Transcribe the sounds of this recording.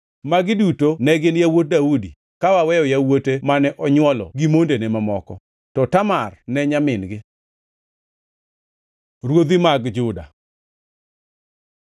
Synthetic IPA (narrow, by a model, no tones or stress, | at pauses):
maɡɪdutonɛɡɪnjawot̚daudi | kawawɛjɔjawotemanɛʔɔɲwɔlɔ̰ɡimondenemamɔkɔ̰ | tɔtamarnɛɲamɪnɡɪ | ɾwod̪imaɡd͡ʒʊda̰